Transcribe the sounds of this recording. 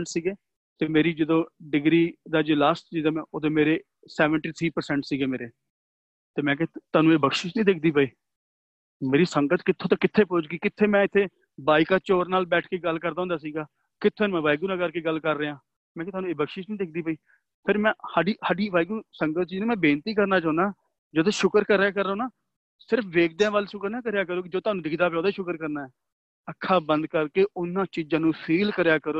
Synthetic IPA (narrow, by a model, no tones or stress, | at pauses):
ɳʈsiːɡeː | t̪eːmeːɾiːd͡ʒəd̪õːɖɪɡɾiːd̪aːd͡ʒeːlaːsʈ̚t͡ʃiːzamɛ̃ːʔoːd̪ẽːmeːɾeː | sɛːʋəɳʈiːt̪ʰɾiːpəɾsɛ̃ɳʈsiːɡeːmeːɾeː | t̪eːmɛ̃ːkɛt̪aːnũːeːbəkʃɪt͡ʃnĩːd̪eːkʰd̪iːpəiː | meːɾiːsəŋɡət̪kɪt̪ʰːõːt̪ãːkɪt̪ʰːeːpʊːt͡ʃɡiːkɪt̪ʰːeːmɛ̃ːɪt̪ʰːeː | baːikaːt͡ʃoːɾnaːlbɛːʈʰkeːɡəlːkəɾd̪aːɦʊnd̪aːsiːɡaː | kɪt̪ʰːeːnːmɛ̃ːʋaːjɡuːnãːkəɾkeːɡəlkəɾːeːãː | mɛ̃ːɪt̪ʰoaːnũːeːbəkʃiːt͡ʃnĩːd̪eːk̚ʰd̪iːpəiː | pʰɪɾmɛ̃ːsaːɖiːsaːɖiːʋaːjɡuːsəŋɡət̪̚t͡ʃiːd͡ʒnũːmɛ̃ːbeːnt̪iːk̬əɾnaːt͡ʃãːnd̪aː | d͡ʒəd̪õʃʊkəɾkəɾːeːkəɾːnaː | sɪɾəpʰʋeːkʰd̪eãːʋaːlʃʊkəɾnãːkəɾjaːk̬əɾoːkɪd͡ʒoːt̪ʊaːnũd̪ɪkʰd̪aːp̬jɔ̃ːd̪aːʃʊkəɾkəɾnaːɛː | əkʰːaːbə̃nd̪̚kəɾkeːʊnãːt͡ʃid͡ʒãːnũːsʰiːlkəɾjaːkəɾoː